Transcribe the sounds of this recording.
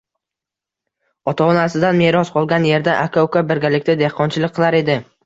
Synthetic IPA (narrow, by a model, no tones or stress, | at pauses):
ɒt̪ʰaɒnasɪd̪anmeɾɒsqʰɒlˠɡʲanje̞ɾd̪aʔakʰowkabɪɾɡʲalɪkʲt̪ad̪ehqʰɒnt͡ʃʰɪlˠɪkʲqʰːɨlˠaɾe̞d̪ɪ